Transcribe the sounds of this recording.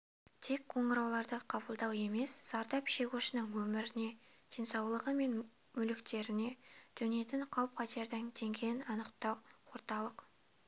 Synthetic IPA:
t̪ʰe̞kqʰo̞ɴəɾɑwlˠɑɾd̪əqʰɑbəlˠd̪ɑwe̞me̞sz̥ɑɾd̪ɑpʃe̞kʲuʃɪnəŋwɵmɪɾɪne̞d̪̥e̞nsɑwlˠəʁəme̞n | mʏlɪkt̪e̞ɾɪne̞d̪̥ʏnje̞t̪ɪɴqʰɑwp̚qʰɑt̪eɾd̪ɪŋt̪ʰe̞ŋɡʲe̞nɑnəqt̪ɑwwo̞ɾt̪ɑlˠəq

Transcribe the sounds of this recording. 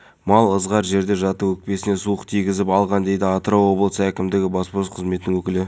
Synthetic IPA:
mɑlˠəzʁɑɾʒe̞ɾd̪e̞ʒɑt̪əwɵk̚pe̞sɪne̞suəqt̪ʰijɡʲɪzɪpɑlˠʁɑnd̪e̞jd̪ɪɑt̪əɾɑwo̞blˠəsækʲɪmd̪ɪɡʲɪbɑsposqʰəzmet̪ɪnɪŋwɵkʲɪlɪ

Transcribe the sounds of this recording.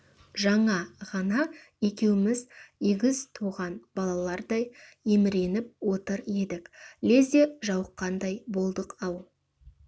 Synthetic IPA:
ʒɑɴɑʁɑnɑ | e̞kʲe̞wɪmɪzeɡʲɪzt̪ʰuʁɑnb̥ɑlˠɑlˠɑɾd̪ɑj | e̞mɪɾe̞nɪp̚wo̞t̪əɾe̞d̪ɪkle̞zeʒɑwəqːɑnd̪ɑjbo̞lˠd̪əqɑw

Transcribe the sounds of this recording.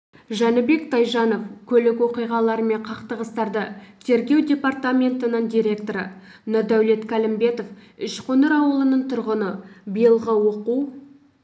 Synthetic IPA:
ʒɑnəbe̞kt̪ʰɑjʒɑno̞fkʲʰɵlɪkwo̞qijʁɑlˠɑɾəme̞ɴqʰɑqt̪əʁəst̪ɑɾd̪ət̪ʰe̞ɾɡʲe̞wdʲe̞part̪amʲe̞nt̪ənəɴd̪ʲijɾʲe̞kt̪o̞ɾə̰ | nod̪æwle̞t̪kʲʰælɪmbe̞t̪o̞fʏʃqʰonəɾɑwəlˠənəɴt̪ʰʊɾʁənəbijəlˠʁəwo̞quw

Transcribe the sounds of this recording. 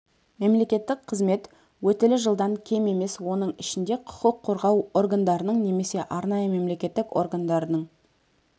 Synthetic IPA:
me̞mle̞kʲe̞t̪ːɪk̚qʰəzme̞t̪ | wɵt̪ɪlɪʒəlˠd̪ɑŋkʲʰe̞me̞me̞swo̞n̪əɴɪʃɪnd̪e̞qʰʊ̥qəqʰːo̞ɾʁɑwo̞ɾɡand̪ɑɾənəɴne̞me̞se̞ʔɑɾnɑjəme̞mle̞kʲe̞t̪ːɪko̰ɾɡand̪ɑɾənəɴ

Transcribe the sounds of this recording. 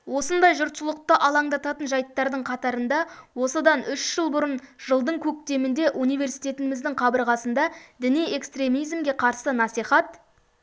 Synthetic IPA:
wo̞sənd̪ɑjʒʊɾt̪sʊlˠəq̚t̪əʔɑlˠɑɴd̪ɑt̪ɑt̪ənʒɑjt̪ːɑɾd̪əɴqʰɑt̪ɑɾənd̪ɑwo̞səd̪ɑnʏʃʒ̥əlˠbʊɾənʒ̥əlˠd̪əɴkʲʰɵk̚t̪e̞mɪnd̪e̞ʔunijve̞ɾsijt̪e̞t̪ɪmɪzd̪ɪŋqʰɑbəɾʁɑsənd̪ɑd̪ɪnije̞kst̪re̞mijzmɡʲe̞qʰɑɾsənɑsijχɑt̪̚

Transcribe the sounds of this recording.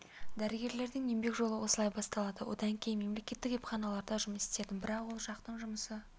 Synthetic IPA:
d̪æɾɪɡʲe̞ɾle̞ɾd̪ɪŋembe̞kʒo̞lˠəwo̞səlˠɑjbɑst̪ɑlˠɑd̪əwo̞̰d̪ɑŋkʲʰejnme̞mle̞kʲe̞t̪ːɪkwepχɑnɑlˠɑɾd̪ɑʒʊməse̥t̪e̞d̪ɪbɪɾɑqwo̞lˠʃɑqt̪əɴʒʊməsə

